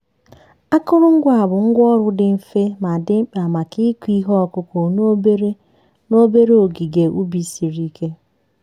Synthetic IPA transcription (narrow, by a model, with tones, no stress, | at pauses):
a˦kʊ˦ɾʊ˦ŋ̩˦ɡʷa˨bʊ˨ŋ̩˦ɡʷɔ˦ɾʊ˦dɪ˨m̩˦fe˦ma˨dɪ˦m̩˦k͡pa˨ma˨ki˦kʷi˦ɦɔ˦ɔ˨kʊ˦ko˨no˦be˦ɾe˦ | no˦be˦ɾe˦o˨ɡi˨ɡe˨ʔu˦bi˨si˨ɾi˦kʰe˦